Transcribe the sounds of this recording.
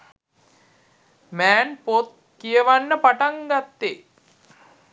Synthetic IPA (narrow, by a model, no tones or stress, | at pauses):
mæːnpot̪̚ | kijəʋanːəpaʈaŋɡat̪ːe